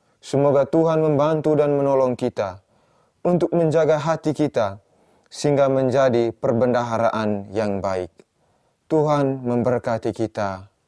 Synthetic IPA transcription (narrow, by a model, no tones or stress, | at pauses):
səmoɡat̪uɦanməmbant̪udanmənɔlɔŋkit̪a | unt̪ʊk̚məɲd͡ʒaɡaɦat̪ikit̪a | səiŋɡaməɲd͡ʒadipərbəndaɦaɾaʔanjaŋbaɪk̚ | t̪uɦanməmbərkat̪ikit̪a